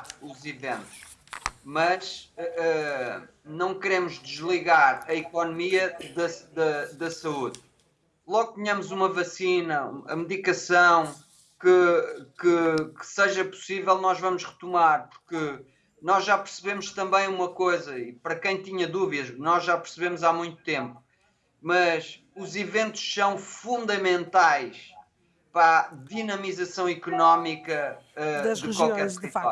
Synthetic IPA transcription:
uzivḛ̃nt̪u̥ʃ | mɐʃɛɛ | nɐ̃w̃kɨɾemuʒd̪ɨʒlˠiɣaɾɐikɔnumiɐðɐðɐðɐsɐuð | lˠɔɣt̪ɨɲɐmuzumɐvɐsinɐ̰ɐ̰mðikɐsɐ̃w̃ | kɨkɨkɨ̥seʒɐpu̥sivɛlˠnɔʒvɐmʊʃʁɨt̪umaɾpu̥ɾkɨ | nɔʒːapɨɾsɨβemuʃt̪ɐ̃mbɐ̃j̃umɐkojzɐipɐɾɐkɐ̃j̃t̪iɲɐðuviðɐʃnɔʒʒapɨɾsɨβemuzamũj̃t̪u̥t̪ẽmpu̥ | mɐʃ | uzivẽnt̪u̥ʃsɐ̃w̃fũnd̪ɐmẽnt̪ajʃ | pɾaðinɐmizɐsɐ̃w̃ikunɔmikɐɛd̪ɨʒkwalˠkɛɾia

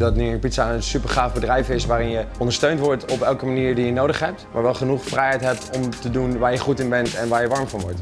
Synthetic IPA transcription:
dɑtnipitsaənsypəɹχaːfbədrɛjfɪsʋaːɾɪnjəɔndəɹstøɥntʋɔɹtɔpɛlˠkəmaniːɹdijənowdəχɦɛp̚tmʔaːɹʋɛlˠχənuχfrɛjɦɛjtɦɛp̚tɔmtədunʋaːɹjəχutɪnbɛntɛnʋaːɹjəʋɑɹmvɑnʋɔ̰ɹt

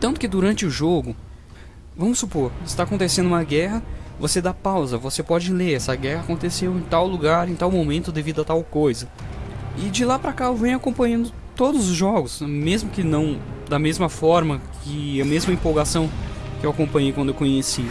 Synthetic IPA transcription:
t̪nt̪ʊ̥kɪd̪uɾɐ̃nt͡ʃɪʊʒoɡʊ | vɐ̃mʊsːupoɾɪst̪aːkõnt̪esẽnd̪ʊũmɐɡɛɦɐvosed̪apawzɐvosepɔd͡ʒɪleɾɛsɐɡɛhakõnt̪esewẽt̪awluɡaɾẽt̪awmomẽnt̪ʊd̪evid̪ʊɐt̪awkojzɐ | ɪd͡ʒɪlapɾɐkaewvẽj̃ʊakõpɐ̃ɲɐ̃nd̪ʊ | t̪od̪ʊzʊzʒɔɡʊsmezmʊkɪnɐ̃w̃d̪ɐmezmɐfɔɾmɐkʰɪɐmezmɐĩpowɡasɐ̃w̃kɪewakõpɐ̃ɲejkɐ̃nd̪ʊewkõɲesi

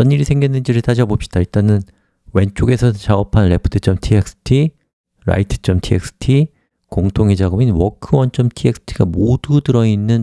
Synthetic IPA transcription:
ʌnɲːiɾisʰe̞ŋɡjinːɯnd͡ʑiɾɯɭtad͡ʑabopɕ͈id̥ait͈anɯn | we̞nt͡ɕ͈oɡe̞sʰʌt͡ɕaɡʌpʰanɾe̞pʰɯ̥tʰɯt͡ɕ͈ʌmtʰiek̚s͈ʰɯ̥tʰi | ɾa̰itʰɯ̥t͡ɕ͈ʌmtʰiek̚s͈ʰɯ̥tʰi | koŋtʰoŋed͡ʑaɡɯminwʌkʰɯwʌnt͡ɕ͈ʌmtʰiek̚s͈ʰɯ̥tʰiɡamodudɯɾʌinːɯn

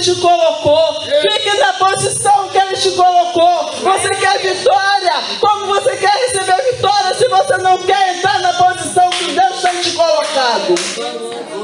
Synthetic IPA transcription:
t͡ʃɪkoloko | fikɐnɐpozisɐ̃w̃kɪeʒẽt͡ʃɪkoloko | vosekɛɾvit̪ɔɾiɐ | kõmʊvosekɛɾhesebeɾvit̪ɔɾiɐsɪvosenɐ̃w̃kɛɾẽnt̪ɾaɾnɐpozisɐ̃w̃kɪd̪ewst̪ẽj̃t͡ʃɪkolokad̪ʊ

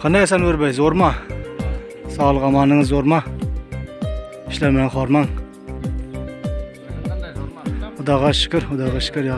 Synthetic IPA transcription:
qʰɑnɑjsɑnwɪɾbɛjzoɾmɑ | sɑːlˠəʁɑmɑnːɨŋɨzːoɾmɑ | i̥ʃlæɾmɪnɛnχɑɾmɑŋ | ʊd̪ɑʁɑʃɪ̥kʲɪɾʊd̪ɑʁɑʃɪ̥kʲɪɾjɑ

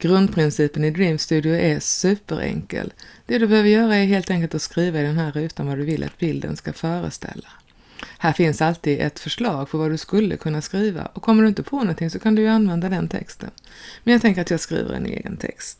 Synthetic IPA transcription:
ɡ̥ɾɵnd̪̚pʰɾɪnsiːpənɪd̪ɾimst̪ʉ̟ːd̪ɪʊʔɛsʉ̟ːpəɾʔɛ̰ŋkə̰ld̪̥ɛd̪ɵbɛhøːvəɾjœːɾaɛɾɦeːlt̪ɛŋkəlt̪askɾiːvaɪd̪ɛnɦæːɾʉ̟ːt̪anvad̪ɵvɪlːʔa̰t̪bɪld̪ə̰nskafœːɾə̰st̪ɛ̰lːa | hæːɾfɪnsalt̪iːd̪ɛ̰t̪fœʂɭɑːɡfœɾvad̪ɵskɵlːə̰kʰɵnːaskɾiːva̰ʔɔkʰːɔmːəɖɵɪnt̪əpʰɔnɔnt̪ʰɪŋsɔkʰand̪ɵjɵanvɛnd̪ad̪ɛnt̪ʰɛ̰kst̪ʰən | mɛnjɑːɡt̪ʰɛŋkəɾat̪jɑːɡskɾḭːvə̰ɾɛ̰nḛːɡə̰nt̪ʰɛ̰kst̪

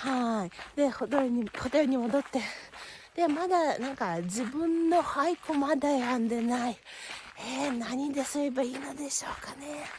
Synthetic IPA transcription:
haid̪̥e̞hot̪oɲihot̪eɲ̟imo̞d̪o̞t̪ːe̞d̪̥e̞mad̪anãŋkad͡ʑibɯ̟̃nːo̞haikomad̪aeãnd̪e̞nai | enaɲ̟id̪e̞soɾebaiːno̞d̪e̞ɕo̞ːkane̞

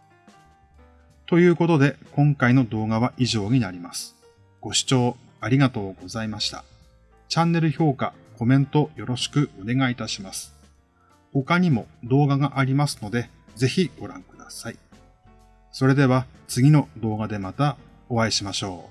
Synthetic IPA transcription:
t̪o̞jɯ̟ːko̞t̪o̞d̪e̞kõ̞ŋkaino̞d̪o̞ːɡaβ̞aʔiʑo̞ːɲ̟inaɾʲimasɨ̥ | ɡ̥o̞ɕi̥t͡ɕo̞ː | aɾʲiɡat̪o̞ːɡo̞zaimaɕi̥t̪a̰ | t͡ɕãnːe̞ɾɯ̟ço̞ːka̰ | ko̞mẽ̞nt̪o̞jo̞ɾo̞ɕi̥kɯ̟o̞ne̞ɡait̪aɕimasɨ̥ | ho̞kaɲ̟imo̞d̪o̞ːɡaɡaʔaɾʲimasɨ̥no̞d̪e̞ | ze̞çiɡ̥o̞ɾã̰ŋkɯ̟d̪asai | so̞ɾe̞d̪e̞β̞a | t͡sɨɡʲino̞d̪o̞ːɡad̪e̞mat̪a | o̞βaeɕimaɕo̞ː

